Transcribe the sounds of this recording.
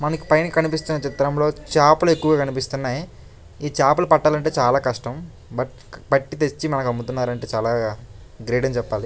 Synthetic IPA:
mɐnɐku̥pɐjnkɐnipist̪unːɐt͡ʃit̪ɾɐmlo̞ːt͡ʃaːpɐlue̞kːuʋɐɡaːkɐnipist̪unːaːji | iːt͡ʃaːpɐlɐpɐʈːaːlɐɳʈe̞ːt͡ʃaːlaːkɐʂʈɐm | bɐʈ̚ | pɐʈːit̪et͡ʃːimɐnɐkɐmːut̪unːaːɾɐɳʈe̞ːt͡ʃaːlaː | ɡɾeːʈɐnt͡ʃɛpːaːli

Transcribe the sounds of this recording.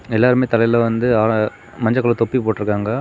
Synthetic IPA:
ɛlːaːɾɯmeːt̪ɐlɐjlɐ̃ʋɐnd̪ɯaː | mɐɲd͡ʒɐkːɐlɐ̃t̪ɔpːipoːʈːɪɾɯkːaːŋɡɐ

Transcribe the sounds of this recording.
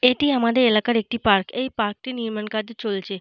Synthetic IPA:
eʈiamad̪eelakaɾek̚ʈipaɾkejpaɾk̚t̪iniɾməɳkad̪t͡ɕolt͡ʃʰe

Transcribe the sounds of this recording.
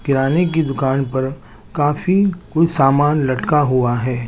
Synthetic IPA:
kɪɾaːnek̬id̪ʊkaːnpɐɾ | kaːfikoisaːmaːnlɐʈkaɦʊaɦɛː

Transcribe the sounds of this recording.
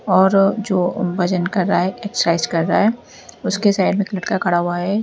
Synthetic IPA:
ɔːɾd͡ʒoːbɐd͡ʒənkɐɾːaɦɛɛkt͡ʃəɾaɪzkɐɾːaaɦɛ | ʊskesaːɪɖmẽkləʈkakʰɐɽaɦʊaɦɛ

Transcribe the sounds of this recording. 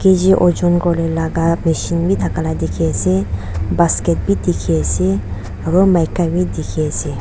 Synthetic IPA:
ked͡ʒiʔod͡ʒonkɔlelaɡameʃinbʱid̪ʰʱakalad̪ikʰese | basket̪̚bid̪ikʰese | ɾomajkabid̪ikʰese

